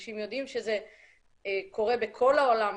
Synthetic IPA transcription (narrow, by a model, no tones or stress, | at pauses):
ʃimjo̞d̪imʃeze | kʰo̞ʁe̞bekʰo̞laolam